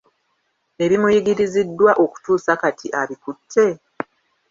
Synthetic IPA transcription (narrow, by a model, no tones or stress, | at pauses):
e̞βimujiɡiɾizidːwaʔo̞ku̥tuːsakatʰiʔaβikutʰːe̞